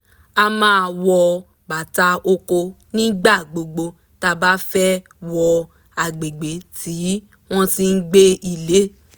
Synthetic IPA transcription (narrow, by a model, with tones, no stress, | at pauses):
a˧mãː˦˧˨wɔ˧ | ba˨ta˧o˧ko˧ | nĩ˦ɡ͡ba˦˨ɡ͡bo˧ɡ͡bo˧ | ta˧ba˦fɛ˦ | wɔ˧ | a˨ɡ͡be˨ɡ͡be˨˦tʰi˨˦ | w̃ɔ̃˦ti˧n̩˦ɡ͡be˦i˦˧le˨˦